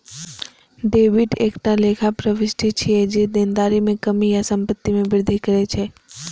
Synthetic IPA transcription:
ɖeːʋɪʈeːkʈaleːkʰapɾəʋɪsʈʰit͡ʃʰied͡ʒed̪eːnd̪aːɾimẽkəmijasə̃mpət̪ːimẽʋɪɾd̪ʱikəɾet͡ʃʰeː

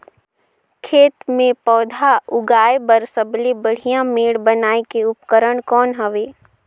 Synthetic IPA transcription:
kʰeːt̪mẽpɔːd̪ʱaʊɡaːebəɾsəblebəɽ̤ijãmeːɽbənaːekeʊpkəɾəɽ̃kɔːnɦəʋeː

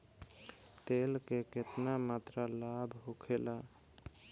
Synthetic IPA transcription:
t̪elkeket̪namat̪ɾalabʱɦokʰela

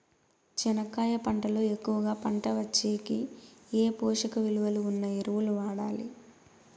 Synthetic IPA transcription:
t͡ʃɛnɐkːaːjɐpɐɳʈɐlo̞ːe̞kːuʋɐɡaːpɐɳʈɐʋɐt͡ʃːeːkieːpɔːʂɐkɐʋiluʋɐluunːɐeɾuʋuluʋaːɽaːlḭ

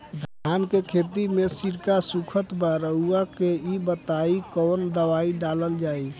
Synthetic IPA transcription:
d̪ʱaːnkekʰet̪imẽsiɾkasukʰət̪bəɾəuakeibət̪aikɔːnd̪əʋaiɖaləld͡ʒaːi

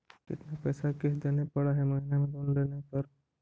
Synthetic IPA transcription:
kɪ̰t̪napɛːsakeɦd̪eːnepɐɽaɦɛmɐɦinemẽd̪oːnleːnepɐɾ

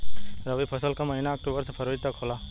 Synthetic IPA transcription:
ɾəʋipʰəsəlkaməɦinaːk̚ʈubəɾsepʰəɾoːd͡ʒt̪akʰola

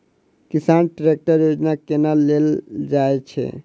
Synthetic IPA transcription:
kisanʈɾek̚ʈaɾjod͡ʒnakenalːeld͡ʒajt͡ʃʰḛ

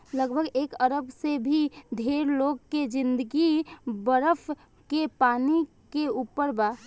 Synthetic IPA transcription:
ləɡbʱəɡeːkəɾəbsebʱid̪ʱeːɾloːɡ̚ked͡ʒɪ̃nd̪əɡibəɾəfʰ | kepaːni | keuːpəɾba

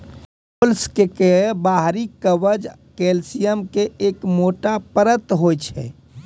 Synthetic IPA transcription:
polskekebaɦɾikəʋəd͡ʒ | kelsijəmkeʔekmoʈapəɾət̪ɦojt͡ʃʰɛ̰

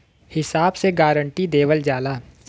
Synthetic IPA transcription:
hɪsaːbseɡaːɾə̃ɳʈid̪eːʋəld͡ʒaːlaː

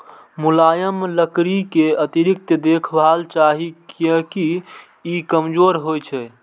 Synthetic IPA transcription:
mulajəmləkɾikeət̪iɾik̚t̪əd̪ekʰbʱalt͡ʃaɦikjəki | ikəmd͡ʒoɾɦojt͡ʃʰɛ

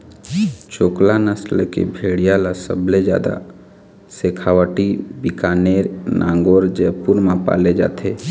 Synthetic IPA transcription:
t͡ʃoːklanəslkḛbʱeːɽijalasə̰bled͡ʒja̰ːd̪a̰ | seːkʰawəʈibikaːneːɾnʔã̰ːŋɡoːɾd͡ʒɛpuɾmãpa̰ːled͡ʒa̰ːt̪ʰeː

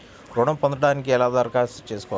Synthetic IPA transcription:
ɾɔːɳɐmpɔnd̪ɐɽaːnik̬iɛlaːd̪aɾkaːst͡ʃe̞ːsu̥kɔʋ

